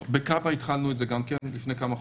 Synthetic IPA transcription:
bekabait̪χalnuetzeɡamkenlifnejkamaχ

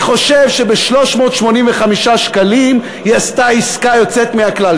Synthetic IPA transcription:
χo̞ʃevʃe̞beʃlo̞ʃmo̞ːt̪ʃmo̞nimveχamiʃaʃkalim | jast̪aiskajo̞t͡set̪meakla

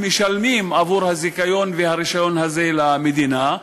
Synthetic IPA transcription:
meʃalmimavuʁhazikajo̞nvehaʁiʃajo̞nhaze̞lamed̪ina

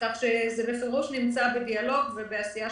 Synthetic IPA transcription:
t̪aχʃezebefiʁuʃnimt͡sabedialo̞ɡvebeasija

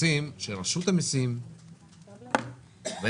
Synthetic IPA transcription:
imʃelʁaʃut̪amisim | ve

